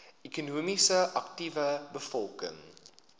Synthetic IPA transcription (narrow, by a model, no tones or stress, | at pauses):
ikunuəmisəʔɐk̚tivəbəfɔlˠkə̰ŋ